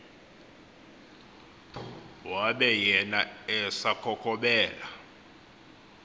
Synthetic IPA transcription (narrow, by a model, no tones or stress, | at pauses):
waɓɛjɛnaɛsakʰɔkʰɔɓɛːla